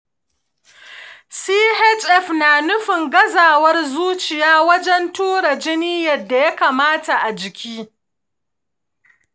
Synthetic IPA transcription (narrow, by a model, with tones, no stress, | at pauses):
siː˦hɛ˦t͡ʃʼʔɛ˦ɸnaː˨nʊ˦ɸɪ˨ŋɡɐ˦zaː˨wɐ˦rzuː˦t͡ʃɪ˨jaː˦wɐ˦d͡ʒɛ˦ntuː˦ɽa˨d͡ʒɪ˦niː˦jɐ˨dːa˨ja˦kaː˨maː˦ta˨ʔa˨d͡ʒɪ˨kʲʰiː˦